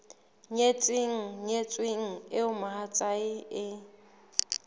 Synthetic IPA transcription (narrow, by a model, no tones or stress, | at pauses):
ɲet͡sʼɪŋ̩ɲet͡sʼweŋ̩ɪʊmaɦat͡sʼaɪɪ